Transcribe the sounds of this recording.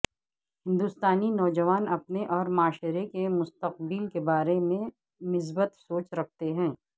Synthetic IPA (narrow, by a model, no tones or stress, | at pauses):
hɪ̃nd̪ust̪aːninɔːd͡ʒɐʋaːnɐpneʔɔːɾmaːʃɾekemʊst̪ɐq̚bilkebaːɾemẽ | mɪs̬bət̪soːt͡ʃɾɐk̚ʰt̪eɦɛ̃ː